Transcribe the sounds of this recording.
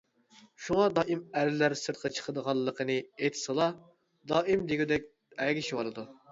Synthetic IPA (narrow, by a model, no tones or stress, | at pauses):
ʃuŋɑd̪ɑːʔimælɪlæɾsɨɾt̪̚qʰɑt͡ʃʰə̥qʰəd̪əʁɑllˠːəqʰənɨet̪ʰsəlˠɑ | d̪ɑːimd̪eɡʲud̪ɛk̚ʲ | ɛɡʲiʃwɑlˠɨd̪u